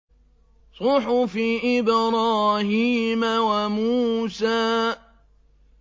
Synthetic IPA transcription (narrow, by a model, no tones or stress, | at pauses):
sˤʊħʊfiːʔɪbɾˤɑːhiːmawamuːsaː